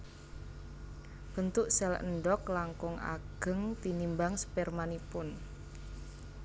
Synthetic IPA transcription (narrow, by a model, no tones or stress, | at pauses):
b̥ə̤nt̪ʊʔsɛlə̰nɖɔklaŋkʊŋa̰ɡ̥ə̤ŋt̪inimbaŋsə̥pɛrmanipʊn